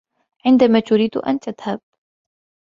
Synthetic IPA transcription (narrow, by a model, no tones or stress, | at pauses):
ʕɪnd̪amaːt̪ʊɾiːd̪ʔa̰nt̪aðhab̥̚